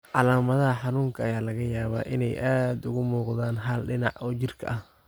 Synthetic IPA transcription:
ʕɑlaːmɐðɐɦɐħɑnuːŋkʰɐɐjaːlɐɣɐjaːβa̰ːʔɪnɛjʔaːd̪ʊɣʊmuːqðaːnɦaːlɖɪnɑ̰ʕʔɔːt͡ʃɪrkʰɐ̰ʔɐh

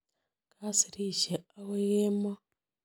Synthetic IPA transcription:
kʰasiɾiːʃeawejeːma

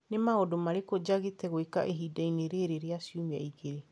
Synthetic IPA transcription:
nemaodomaɾekod͡ʒaɣetɛɣoeka̰ʔeɦiːdaineɾeɾeɾeasiomia̰iɣeɾe

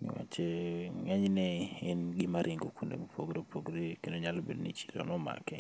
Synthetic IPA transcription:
nḭwa̰t͡ʃeŋɛɲnɛɪnɡɪmaɾʔɪŋɡokunḛɡopʰoɡɾepʰoɡɾekendoɲalobednit͡ʃi̥lɔ̰nɔma̰kɛ

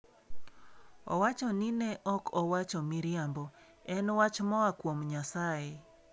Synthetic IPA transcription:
ɔ̰wat͡ʃɔninɛʔɔkʰɔwat͡ʃɔmiɾɪambɔ | ɛnwat͡ʃmɔakwomɲasae

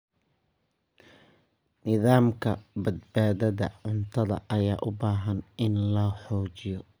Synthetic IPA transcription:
nɪðaːmkʰɐbɐd̪baːðɐðɐ̰ʕʊnt̪ʰɐðɐ̰ʔɐjaːʔʊbaːɦɐnɪnlɐħɔːt͡ʃɪjɔ

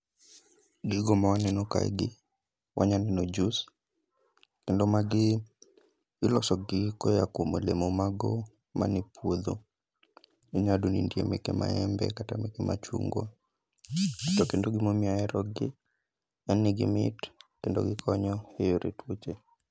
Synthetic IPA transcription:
ɡɪɡɔmawanɛnoka̰ɡɪ | wʔaɲanɛnod͡ʒus | kendomaɡɪ | ɡɪlɔsɔɡɪkɔjakomolemomaɡɔ | ma̰nɪpwod̪o̰ | iɲadonindjemḛkema̰ɛmbɛ̰katamekema̰t͡ʃṵŋɡwɔ | tɔkendoɡɪmomjajɛɾɔɡɪ | ɛnːɪɡɪ̰mɪ̰tkendo̰ɡɪkʰɔɲɔhejoɾḛtwot͡ʃe

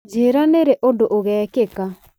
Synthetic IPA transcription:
d͡ʒeːɾaneɾɛʔodoʔoɣɛːkeka

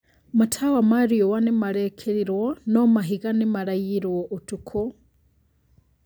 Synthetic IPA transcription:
matʰawamaɾiowanimaɾekʰeɾiɾwonomaɦiɣanimaɾajiɾwoʔotukʰo

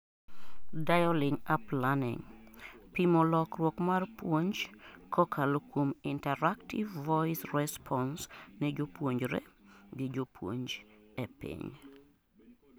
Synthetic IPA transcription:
dajɔlɪŋaplanɪ̰ŋpimɔlɔkrwɔkmarpwoɲd͡ʒkʰɔkʰalokomɪntɛɾaktivːɔɪsrɛspʰɔnsnɛd͡ʒopwoɲd͡ʒɾḛɡɪd͡ʒopwo̰ɲd͡ʒɛpɪ̰ɲ

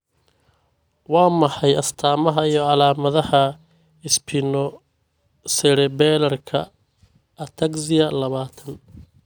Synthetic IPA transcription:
wɑːmɐħɑjɐst̪ʰaːmɐɦɐijɔʕɑlaːmɐðɐhɐ | ɪspʰɪnɔ | sɛɽɛbɛːlɐrkʰɐ | ʔɐt̪ʰɐɡsɪjɐlɐβaːt̪ʰɐn

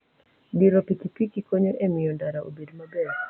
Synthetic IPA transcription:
biɾopikipikikoɲoʔemɪjɔndaɾaʔo̰bedmabɛ

